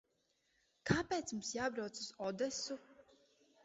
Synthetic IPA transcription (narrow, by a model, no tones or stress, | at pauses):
kʰaːpɛːt̪smumsjaːbɾawt̪suz̥ɔd̪ɛsu